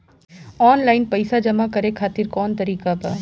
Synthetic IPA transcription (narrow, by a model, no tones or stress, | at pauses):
ɔːnlaːɪnpɐɪsad͡ʒɐmakɐɾekʰaːt̪ɪɾkɔːnt̪ɐɾiːkaba̰